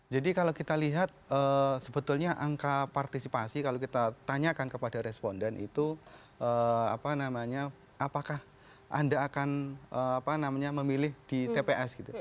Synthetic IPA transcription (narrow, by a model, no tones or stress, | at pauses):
d͡ʒadikalakit̪aliɦat̪̚əːsəbət̪ʊlɲaʔaŋkapart̪isipasikalokit̪at̪aɲakankəpadaɾɛspondɛnḭt̪u | ʔəːapanamaɲa | ʔapakah | ʔa̰ndaːkanəapanamaɲaməmilɪhd̥it̪epeʔɛsɡ̥it̪u